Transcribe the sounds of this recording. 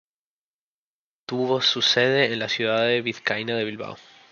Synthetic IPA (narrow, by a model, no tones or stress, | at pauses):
t̪uβosuseðeːnlasjuðaðeβiðkajnaðe̞βilβa̰w